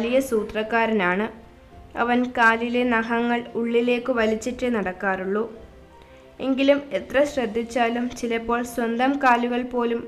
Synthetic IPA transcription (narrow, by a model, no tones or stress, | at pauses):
lijɐsuːt̪rɐkːaːɾɐnaːɳɨ | ɐ̰ʋɐnkaːlilenɐɦɐŋːɐɭuɭːile̞ːkːɨʋɐlit͡ɕːiʈːɨnɐɽɐkːaːruɭːu | e̞ŋɡilume̞t̪rɐɕrɐd̪ʱːit͡ɕːaːlumt͡ɕilɐpːo̞ːɭswɐnd̪ɐmkaːluɣɐɭpo̞ːlum